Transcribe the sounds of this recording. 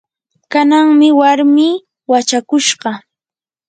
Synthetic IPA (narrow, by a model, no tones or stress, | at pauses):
kanaŋmɪwaɾmiː | wat͡ʃakʊʃɢɑ